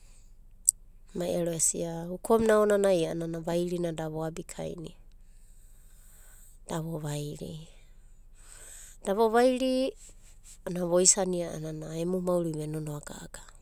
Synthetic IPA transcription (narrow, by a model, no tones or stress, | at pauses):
majeɾoesḭaukʰomnaonanajaananaβajɾinadaβoabikʰa̰j̰ni | d̥aβoβajɾḭ | d̥aβoβajɾi | anaβojsaniaa̰nanaemumauɾiβenonoaɡa̰ɡ̥a